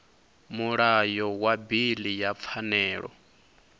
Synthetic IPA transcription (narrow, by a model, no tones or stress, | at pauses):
muɺajɔwabilijap̪fʰanɛːɺɔ̰